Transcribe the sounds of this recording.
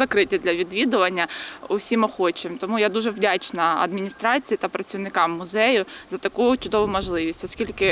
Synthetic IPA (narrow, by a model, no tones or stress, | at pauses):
zɐkɾɪtʲɐd̪lʲɐʋʲid̪ʋʲid̪ʊʋɐnʲːɐʊwsʲimɔxɔt͡ʃɪmt̪ɔmujad̪uʒɛwdʲat͡ʃnɐɐ̰d̪mʲinʲist̪ɾɑt͡sʲijit̪ɐpɾɐt͡sʲiwnɪkɑmːʊzɛjʊzɐt̪ɐkujʊt͡ʃʊd̪ɔʋʊmɔʒlˠɪʋʲisʲtʲɔskʲilʲkɪ